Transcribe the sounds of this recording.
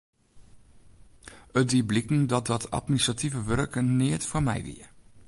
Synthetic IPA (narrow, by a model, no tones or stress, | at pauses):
ətdiblikn̩dɔt̚dɔtʰa̰tminisrativəʋørəkənɪətfɔmɛ̰jʋḭə